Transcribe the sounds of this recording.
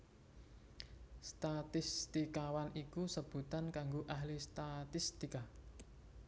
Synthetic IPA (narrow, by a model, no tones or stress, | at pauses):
st̪at̪ɪst̪ikawanikusəb̥ṳt̪ankaŋɡoʔaɦlist̪at̪ist̪ika